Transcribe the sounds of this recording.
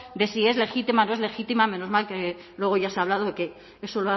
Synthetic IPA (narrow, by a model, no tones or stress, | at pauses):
d̪e̞sie̞zle̞xit̪imano̞e̞zle̞xit̪imame̞nozmalke | lwe̞ɣ̞o̞ʝaseaβlað̞oðke̞ | eso̞loa